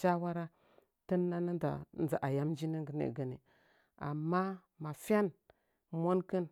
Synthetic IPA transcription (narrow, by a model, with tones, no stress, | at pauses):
t͡ʃa˦wa˦ɾa˦ | tə˦nːa˦na˦da̰˨n˦˨a˨ʔa˨ja˦md͡ʒi˦ni˦ŋɡə˨nḛ˨ɡə˨ni˨ | a̰˨mːa˦ | ma˨fa˦n | mʷo˦nkə˦n